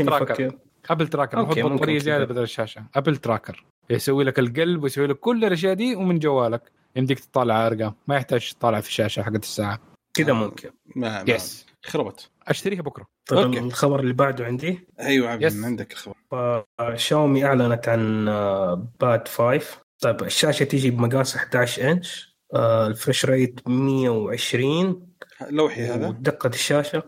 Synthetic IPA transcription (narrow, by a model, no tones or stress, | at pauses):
ɾɑːkɾ | ʔap̬lt̪ɾˤɑːkɑɾfʊdbɑˤɑɾijːazɪaːd̪abɪd̪aːlɪʃːaːʃaʔapɪlt̪ɾɑːkɑɾˤ | jsawːiːlakɪlɡalbwɪjsawiːlakːʊlːɪlʔaʃ̬jaːʔd̪iːwmɪnd͡ʒawːaːlak | ʔɪnd̪iːkt̪t̪ˤːɑːlɪʕaʔɑɾˤɡamajɪħt̪aːd͡ʒʃt̪ˤːɑːlːʕfi̥ʃaːʃaħaɡːat̪ɪ̥sːaːʕa | kɪd̪amʊmkʰɪn | majɛs | xɑɾˤɑbɑt̪ | ʔaʃt̪aɾiːhabʊkɾˤɑt̪ˤɑɪlxɑbɑɾˤɪlːibaʕd̪uʕɪnd̪iʔijwʕajʕɪnd̪aklxɑbɑɾˤfaʃaːmiʔaʕlanat̪ʕan | b̥aːt̪faːjft̪ˤɑbɪʃːaːʃat̪id͡ʒibmaɡaːsʔɪħd̪aːʕɪʃʔɪnʃ | lfaʃɾˤeːt̪mɪjːawʕɪʃɾiːnlawħiaːðt̪̚d̪ɑqːɑt̪ɪ̥ʃːaːʃa